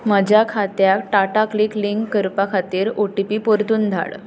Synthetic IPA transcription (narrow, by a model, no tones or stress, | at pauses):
məd͡ʑakʰat̪jakʈaʈaklikliŋkːəɾpakʰat̪iːɾoʈipiːpoɾt̪uːnd̪ʱa̰ɭ